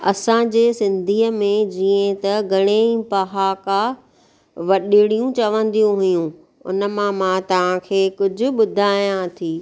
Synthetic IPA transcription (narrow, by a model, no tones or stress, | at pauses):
ɐ̰sãd͡ʑeːsɪ̃nd̪ʱiːəmẽd͡ʑiːə̃t̪ɐɡʱɐɽ̃ẽpɐɦaka | ʋɐɗiɽ̃ijũt͡ɕɐʋə̃nd̪ijũɦʊjũ | ʊ̰nə̆mãmãːt̪ɐʋ̤ãkʰeːkʊd͡ʑʱʊ̆ɓʊd̪ʱaːjãt̪ʰiː